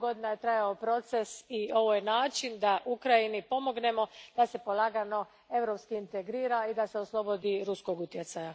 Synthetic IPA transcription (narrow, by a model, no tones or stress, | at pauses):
ɡo̞d̪inajet̪ɾajaopɾo̞t̪se̞sio̞ʋojenaːt͡ʃind̪aʔukɾajinipo̞mo̞ɡne̞mo̞d̪̥ase̞po̞lˠaːɡano̞ | e̞ʋɾo̞pskiːnt̪eɡɾiːɾaid̪aseoslˠo̞bo̞d̪iɾusko̞ɡut̪je̞t̪saja